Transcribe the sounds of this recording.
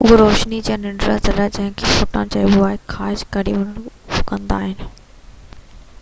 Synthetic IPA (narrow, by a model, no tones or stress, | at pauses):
ʊɦoɾoːʃnid͡ʑãnɪ̃ɳɖɾa̰t͡ɕɐɾaːd͡ʑɐ̃ɦɪ̃kʰefoːʈãt͡ɕɐiʋʊaːɪkʰaːɪʃkɐɽiʊnənʊkə̃nd̪a̰ːɦɪnɪ